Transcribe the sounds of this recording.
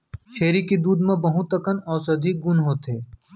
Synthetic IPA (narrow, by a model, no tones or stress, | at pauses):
ʃeːɾikid̪uːd̪mẽbɐɦũt̪ɐkənɔːɾsɐd̪ʱik̚ɡʊnɦoːt̪eː